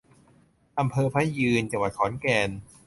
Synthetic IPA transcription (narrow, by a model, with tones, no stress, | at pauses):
ʔa˧mpʰɤː˧pʰaː˦˥jɯː˧nt͡ɕa˧ŋwa˨˩t̪̚kʰɔː˩˦nkɛː˧n